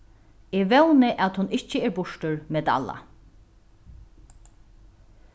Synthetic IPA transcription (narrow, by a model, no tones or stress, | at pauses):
eːʋɛwnɪʔat̪hʊnɪht͡ʃːɪɛːɾbʊʂʈʊɹmet̪a̰la̰